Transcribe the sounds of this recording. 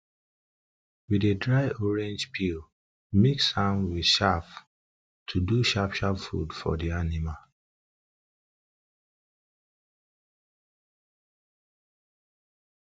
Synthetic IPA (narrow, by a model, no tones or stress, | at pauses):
widedɹaɪɔɹɛ̃nd͡ʒpʰil | mekshãnwi̥ʃaf | tʰuduʃapʃafṵdfɔ̰dianimal